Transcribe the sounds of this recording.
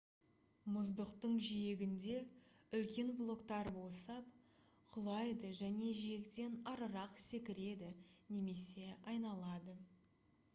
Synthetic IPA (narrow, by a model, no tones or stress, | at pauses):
mʊzd̪əqt̪əɴʒijeɡʲɪnd̪e̞ʏlkʲe̞nblˠo̞kt̪ɑɾbosɑp̚ | qʰʊlˠɑjd̪əʒæne̞ʒije̞kt̪e̞nɑɾəɾɑqse̞kʲɪɾe̞d̪ɪne̞me̞se̞ɑjnɑlˠɑd̪ə